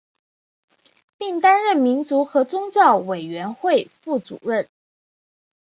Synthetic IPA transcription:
pi˥˩ŋt̪a˥nɻə˥˩nmi˧˥nt͡su˧˥xɤ˧˥t͡sʊ˥ŋt͡ɕjɑ˥˩ʊwe˨˩ɪɥɛ˧˥nxwe˥˧ɪfu˥˩t͡sṵ˨˩ɻə˥˩n

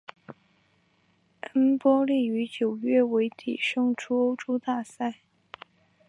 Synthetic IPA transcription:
ə˥npwɔ˥li˥˩y˧˥t͡ɕjo˨˩ʊɥɛ˥˩we˧˥ɪt̪ʰḭ˨˩ʂɤ˥˧ŋʈ͡ʂʰu˥o˥ʊʈ͡ʂo˥ʊt̪a˥˧sa˥˩ɪ

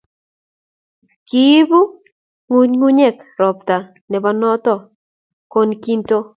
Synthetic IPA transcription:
ki˦bu˦ | ŋu˦ɲŋu˦ɲɛ˦˨kɾɔ˨p̚t̪a˨ | nɛ˨ba˦nɔ˦t̪ɔ˦˨ | ko˦nki˦nto˦

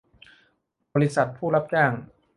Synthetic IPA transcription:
bɔː˧ɾi˦˥sa˨˩t̪̚pʰuː˥˩la˦˥p̚t͡ɕaː˥˩ŋ

